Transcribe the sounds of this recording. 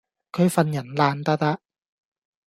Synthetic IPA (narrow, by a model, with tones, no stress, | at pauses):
kʰɵ˨˧ɥfɐ˧njɐ˨˩nlaː˧nt̪ɐ˥t̪a˥ʔ